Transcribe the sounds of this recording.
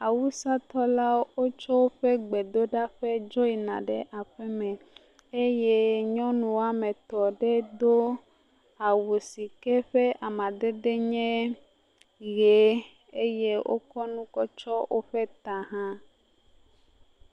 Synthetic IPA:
a˨wu˦sa˦t̪ɔ˦la˦wo˦t͡ʃɔ˦wo˦ɸɛ˦ɡ͡be˨d̪o˦ɖa˦ɸe˦d͡ʒɔ˦i˨nã̰˨ɖɛ˨ʔa˨ɸɛ˦mɛ̃˨ | e˦je˦ɲɔ̃˦nũ˨a˨mẽ˨t̪ɔ˨ɖɛ˦d̪o˦ | a˨wu˨si˨kɛ˦ɸe˦ʔa˨mã˨d̪e˦d̪e˦ɲɛ̃˦ | ɣe˨ | e˦je˦wʔo̰˦kɔ˦nũ˦kɔ˦t͡ʃɔ˦wʔo˦ɸe˦t̪ã˨ɦã˦

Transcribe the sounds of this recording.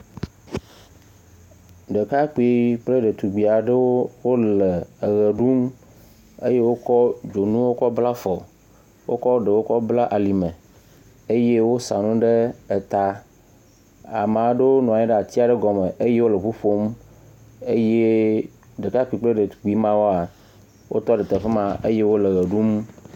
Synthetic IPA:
ɖə˨ka˦k͡pi˦k͡ple˦ɖe˨t̪u˨ɡ͡bi˨a˨ɖe˦wo˦wo˦le˨e˨ɣe˨ɖu˦m | e˦je˦wo˦kɔ˦d͡ʒo˨nũ˦wo˦kɔ˦bla˦fɔ˨ | wʔo̰˦kɔ˦ɖe˨wo˦kɔ˦bla˦ʔa˨li˨mẽ˨ | e˦je˦wo˦sa˨nũ˦ɖe˦e˨t̪a˦ | a˨m˨ã˨ɖe˦wo˦nɔ̃˨a˨ɲɛ̃˦ɖe˦a˨t̪i˦a˨ɖe˦ɡɔ˨me˨ʔe˦je˦wo˦le˨ɸu˦ɸo˦m | e˦je˦ | ɖe˨ka˦k͡pi˨k͡ple˦ɖe˨k͡pi˨˦mã˦wo˦a˨ | wo̰˦t̪ɔ˦ɖe˨t̪e˨ɸe˦mã˦ḛ˦je˦wo˦le˨ɣə˨ɖu˦m

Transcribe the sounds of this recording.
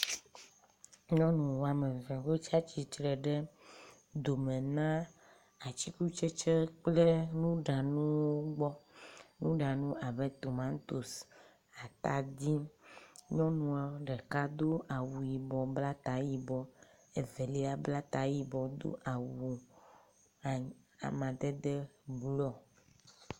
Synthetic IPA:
ɲɔ̃˦nũ˨wa˨mẽ˨vɛ˨we˦t͡ʃa˦t͡ɕi˨t͡ʃɾɛ˨ɖɛ˦ | d̪o˨me˨nã˦ | a˨t͡ɕi˦ku˦t͡ʃe˦t͡ʃe˦k͡ple˦nũ˦ɖa˨nũ˦wo˦ɡ͡bɔ˦nũ˦ɖa˨nũ˦a˨bɛ˦t̪o˨mã˦ŋ˦t̪o˨s | a˨t̪a˨d̪i˦ | ɲɔ̃˦nũ˦a˦ɖɛ˨ka˦d̪o˦a˨wu˨ji˨bɔ˨bla˦t̪a˨˦ji˨bɔ˦ | e˨vɛ˨li˦a˦bla˦t̪a˨˦ji˦bɔ˨d̪o̰˦ʔa˨wu˨ | a̰˨mã˨d̪ɛ˦d̪ɛ˦blɔ˦

